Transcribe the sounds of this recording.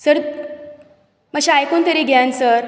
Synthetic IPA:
səɾ | məɕeajkunt̪əɾiɡʱãnsəɾ

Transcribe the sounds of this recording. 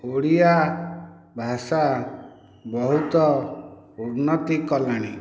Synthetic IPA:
oɽia | bʱasa | bɔɦut̪ɔ | uɾnɔt̪ikɔlaɽ̃ḭ

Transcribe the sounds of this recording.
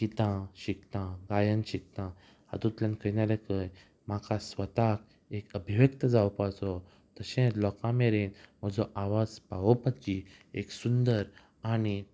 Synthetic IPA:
kit̪ãɕikt̪ãɡajənɕik̚t̪ã | hə̰t̪ũt̪lãnkʰənaɾekəj | m̤akʰasʋət̪ak̚ | ekəbʱiʋjəkt̪əd͡zaʋpat͡sɔ | t̪əɕɛ̃tlɔkãmeɾenm̤əd͡zɔʔaʋad͡zpaʋɔpat͡ɕi | eksund̪əɾ | ani

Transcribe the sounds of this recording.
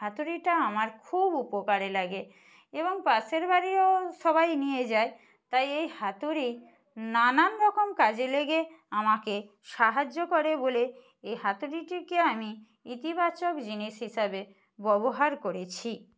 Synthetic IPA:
ɦat̪uɾiʈaamaɾkʰubupokaɾelaɡe | eboŋpaseɾbaɾioʃɔbajnijed͡ʑae | t̪ajejhat̪uɾi | nananɾɔkomkad͡ʑeleɡeamake | ʃaɦad͡ʑːokoɾebole | ejɦat̪uɾiʈikeami | it̪ibat͡ɕokd͡ʑiniʃɦiʃabe | bɔboɦaɾkoɾet͡ɕʰi

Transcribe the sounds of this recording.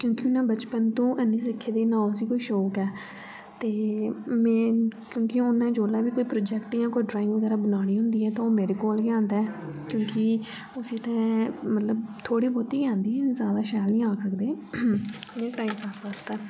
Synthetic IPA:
kjõːkɪʊnːãːbət͡ʃpənt̪ũːʔənːĩːs̬ɪkʰːeːd̪eːnãːʊsiːkoiːʃoːkɛː | t̪eːmɛ̃ːkjõːkiʊnːãːd͡ʒoːlaːʋiːkoiːpɾoːd͡ʒɛːkʈjãːkoiɖɾaːɪ̃ŋɡʋəɡɛːɾaːbənaːɽ̃iːɦʊ̃nd̪iːɛːt̪ãːoːmeːɾeːkoːlɡjãːnd̪ɛːkjõːki | ʊsĩːt̪ɛ̃ːmət̪ləbt̪ʰoːɽiːboːt̪iːɡjãːnd̪iːɛzjaːd̪aːʃɛːlnĩːaːksəkd̪eː | ẽːʈaːimpʰaːsʋaːst̪ɛː

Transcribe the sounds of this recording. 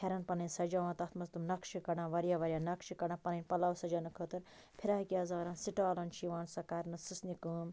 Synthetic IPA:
hʰɐɾɐnpɐnɐnsɐd͡ʒaːʋãːt̪ɐt̪ʰmɐst̪umnɐkʃikɐɽãːʋɐɾjaːʋɐɾʲjaːnɐkʃikɐɽãːpɐnɐnʲpɐlɐːwsɐd͡ʒaːnɐkʰət̪ɨɾ | pʰiɾɐɦkijaːzaːɾɐ̃ːnsiʈaːlɐnʃiʋãːnsɐkaɾnɨsɨsnikuːm

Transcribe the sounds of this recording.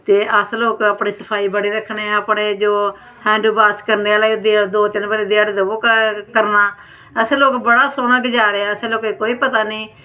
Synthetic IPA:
t̪eːʔəsloːkaːpɳeːsəpʰaːiːbəɽiːɾəkʰɳẽːəpɽeːd͡ʒoː | hʰɛ̃ːɳɖuːbaːskəɾneːaːleːd̪ed̪oːt̪ɪnbəɾeːd̪ɪaːɽeːd̪əboːkkəɾnaː | əseːloːkbəɽaːsoːnaːɡɪd͡ʒaːɾeaəseːloːkeːkoːiːpət̪aːniː

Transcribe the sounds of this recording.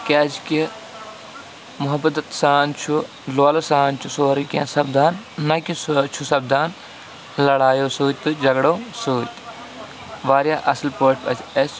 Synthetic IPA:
kʲaːd͡ʒki | mʊɦɐbɐt̪ɐt̪saːnt͡ʃʰu | loːlɐsaːnt͡ʃʰusoːɾikã̰ːsɐb̚d̪aːnːɐkist͡ʃʰusɐb̚d̪aːn | lɐɽaːjoːsuːt̪̚t̪ːɨd͡ʒɐɡɽoːsuːt̪ʲ | ʋaːɾjaːʔɐslpoːʈpɐt͡ʃes

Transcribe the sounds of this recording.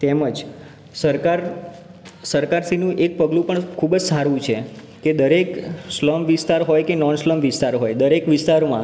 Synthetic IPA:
t̪eməd͡ʒ | səɾkaɾ | səɾkaɾsinũʔek̚pəɡlũpəɳkʰubd͡ʒsaɾũt͡ʃʰe | ked̪əɾeksləmʋist̪aɾɦojkenɔnsləmʋɪst̪aɾɦojd̪əɾekʋɪst̪aɾomã̰

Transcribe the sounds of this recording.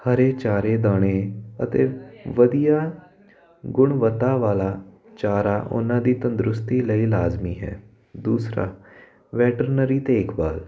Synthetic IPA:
həɾeːt͡ʃaːɾeːd̪aːɽ̃eːət̪ḛːʋəd̪ijaː | ɡʊɳ̃ʋət̪aːʋaːlaː | t͡ʃaːɾaːʔʊ̰nãːd̪iːt̪ə̃nd̪ɾʊst̪iːləiːlaːzmiːɦɛ̰ː | d̪uːsɾa̰ː | ʋɛːʈəɾnəɾiːt̪eːɪkbaːl

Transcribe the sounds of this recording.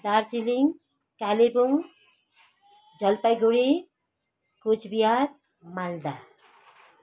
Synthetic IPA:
d̪aɾt͡ʃiliŋ | kalibuŋ | d͡ʒʌlpəjɡuɽi | kut͡ʃʰbijaɾ | mald̪a

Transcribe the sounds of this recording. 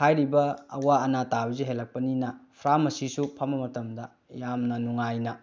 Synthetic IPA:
hajɾibɐ̰ːwaɐnatabɐziɦelːɐk̚pɐninɐpʰɾamɐsisupʰɐmɐmɐtɐmdɐ | jamnɐnuŋajnɐ

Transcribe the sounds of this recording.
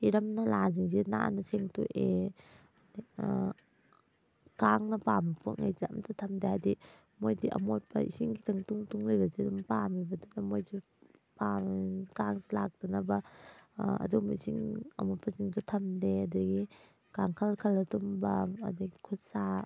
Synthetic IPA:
iɾɐmnɐlaziŋzina̰nɐseŋtṵʔe | di | kaŋnɐpampʰo̰k̚ŋa̰jziɐ̰mtʰatʰɐmdeadi | mojdiʔɐ̰mot̚pʰɐḭsiŋɡitʰɐŋtuŋtuŋlejbɐzidumpamibɐdunɐmojzi | pakaŋzilak̚d̥ɐnɐbɐ | ɐ̰dumisiŋɐ̰mot̚pʰɐziŋtutʰɐmdeɐdɐɡi | kaŋkʰɐlkʰɐlɐtumbɐɐ̰dɐɡikʰusa

